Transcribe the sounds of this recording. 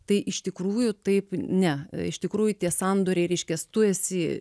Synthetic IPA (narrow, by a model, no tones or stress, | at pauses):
t̪ɐɪʔɪʃt̪ʲɪkɾuːjʊt̪ɐɪpnʲɛɪʃt̪ʲɪkɾuːjʊt̪ʲiɛsɐnd̪oːɾʲeɪɾʲɛɪʃʲkʲɛst̪ʊɛsʲɪ